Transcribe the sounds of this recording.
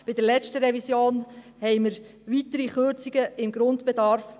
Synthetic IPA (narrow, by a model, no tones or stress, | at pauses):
b̥ɪd̥əɾlɛt͡stəɾɛvisjoːn | hɛɪməɾ | ʋitəɾiχøɾt͡siɡ̥əɪmɡɾʊndb̥ɛdɑɾf